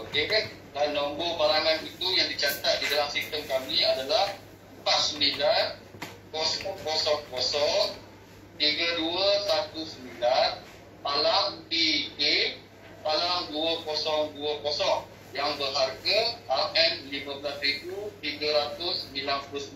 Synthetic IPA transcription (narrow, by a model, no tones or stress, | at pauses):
oke | danːɔmbomaɾaŋanit̪ujaŋdit͡ʃat̪at̪̚didalahsist̪əmkamiadalah | mpaʔ̪səmbilan | kɔsɔŋkɔsɔŋkɔsɔŋ | t̪iɡəduəsat̪usəmbilan | malampike | malamduəkɔsɔŋduəkɔsɔŋ | jaŋbərɦarɡəhalʔɛnlimə̃blasriɡut̪iɡəɾat̪ʊsːəmbilanpulʊs